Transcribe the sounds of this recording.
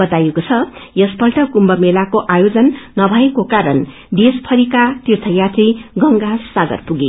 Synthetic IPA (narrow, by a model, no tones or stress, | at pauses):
ʌt̪ajekot͡sʰʌjʌspʌlʈʌkumbʌmelakoʔajod͡zʌnːʌbʱʌekokaɾʌn | d̪espʰʌɾikat̪irt̪ʰʌjat̪iɡʌŋɡasːaɡʌ̰rpuɡi